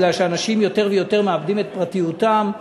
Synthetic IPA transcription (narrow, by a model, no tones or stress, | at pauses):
laʃeanaʃimjo̞t̪e̞ʁvejo̞t̪e̞ʁmeabdime̞t̪̚pʁat̪ijut̪am